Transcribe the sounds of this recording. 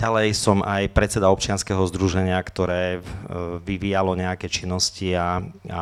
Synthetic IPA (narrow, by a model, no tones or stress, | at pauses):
alɛjsɔmʔajpɾɛt̪t͡sɛd̪aɔp̚t͡ʃɪanskɛɦɔzd̪ɾuʒɛɲɪakt̪ɔɾɛː | ʋiʋiːjalɔɲɛakɛːt͡ʃinːɔscia